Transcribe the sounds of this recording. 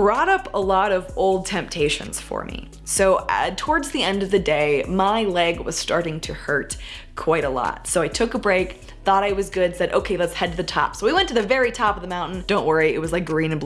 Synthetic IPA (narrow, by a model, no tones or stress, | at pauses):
b̥ɹɔɾʌpəlɔɾʌvoʊlˠd̚tʰɛ̃mp̚tʰeɪʃɨ̰̃nz̥fə̰˞mḭ | soʊtʰɔɹdzðiɛ̃ndʌvðɨdeɪmaɪlɛɡwʌ̰z̥stɑɹɾɪ̃ŋtʰɨhɜ˞t̚ | kʰw̥aɪɾəlɔ̰t̚soʊaɪtʰʊkəbɹeɪk | θɔɾaɪwʌzɡʊd̥sɛɾʔo̰ʊkʰeɪlətshɛd̪̚ðɨtʰɑ̰psoʊwiwɛ̃ntɨðɨvɛɹitʰɑpʌvðəmãʊ̃nʔn̩d̥õʊ̃nʔwɜ˞iɪ̰t̚wʌzlaɪk̚ɡ̥ɹĩnɨ̃nb